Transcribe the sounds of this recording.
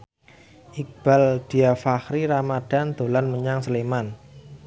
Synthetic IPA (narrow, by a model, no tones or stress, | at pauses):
ʔik̚b̥a̤ld̪̥i̤afaxɾiɾamad̥a̤nd̪̥o̤lanməɲaŋsəleman